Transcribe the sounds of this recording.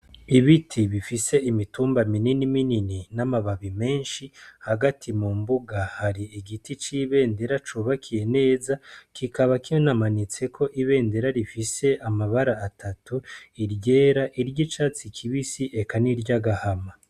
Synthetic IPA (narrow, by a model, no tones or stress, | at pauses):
iβitʰiβifise̞imituːmbamininiminininamaβaβime̞ːnʃihaɡatʰimumbuɡahaɾiiɡitit͡ʃiβe̞ːnde̞ɾat͡ʃuːβakʰije̞ne̞ːzakʰikaβakinamanit͡se̞kʰo̞ʔiβe̞ːnde̞ɾaɾifise̞ʔamaβaɾaːtʰatuiɾɟe̞ːɾaʔiɾɟit͡ʃaːt͡sikʰiβisiʔe̞kaniɾɟaɡahama